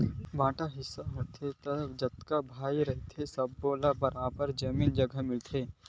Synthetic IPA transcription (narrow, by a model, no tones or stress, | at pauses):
bãːʈaɦɪsːaɦoːt̪ʰet̪ɐd͡ʒɐt̪kabʱaːiɾɐɦt̪ʰesɐbːoːlabɐɾãbəɾd͡ʒɐmiːnd͡ʒɐɡəmɪlt̪ʰeː